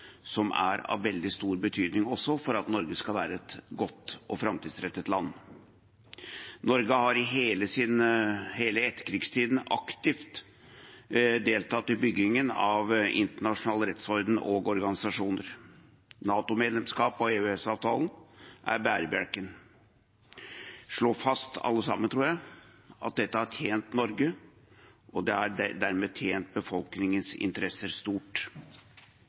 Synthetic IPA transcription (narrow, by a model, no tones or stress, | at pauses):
sɔmæ̰ɾɑ̰ʋːɛld̪ɪst̪uːɾbət̪ʰyːd̪nɪŋɔsːɔfɔɾɑt̪nɔɾɡəskɑlʋæːɾəɛt̪ɡɔt̪ːʔɔfɾɑmt̪ʰiːd̪sɾɛt̪ːət̪lɑnː | nɔɾɡəhɑɾɪɦeːləsɪnheːləɛt̪ːə̥kʰɾɪɡst̪ʰiːd̪n̩ɑ̰kt̪ɪft̪ | d̪eːlt̪ʰɑːt̪ːɪbʏɡɪŋənɑʋʔɪ̰nt̪əɳɑʂʊnɑːləɾɛt̪shɔɾd̪n̩oːɡɔɾɡɑnɪsɑʂuːnəɾ | nɑːt̪ʊmeːd̪lɛmskɑːpɔeːʉɛsɑːʋt̪ʰɑːlnʔæ̰ɾbæːɾbjæɽkən | ʂɭoːfɑst̪ɑ̰lːəsɑ̰mːənt̪ʰɾuːɾjæɪ | ɑ̰t̪̚d̪ɛt̪ːəæʈʰjeːnt̪nɔɾɡə | ʔɔd̪ɛæd̪æɾmeːt̪ʰjeːnt̪̚bəfɔlknɪŋənsɪ̰nt̪əɾɛsəɾst̪uːʈ